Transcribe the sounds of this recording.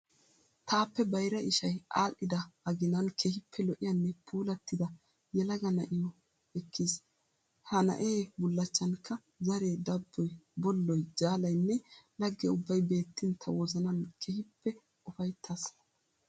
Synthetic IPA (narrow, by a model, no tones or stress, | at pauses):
t̪aːpːɛbɐjɾɐɪʃɐjaːʔːɪd̪ɐɐɡɪnɐnkʰɛhɪpʰːɛlɔʔɪjɐnːɛpʰuːlɐt̪ːɪd̪ɐ | jɛlɐɡɐnɐʔɪjɔ | ɛkːis | hɐnɐ̰ʔeːbʊlːɐt͡ʃːɐnkːɐ | zɐɾe̞ːd̪ɐbːɔjbɔlːɔjd͡ʒaːlɐjnːɛlɐɡːɛʊbːɐjbe̞ːt̪ːɪnt̪ʰːɐwɔzɐnɐnkʰɛhɪpːɛ | ʊfɐjt̪ʰːɐs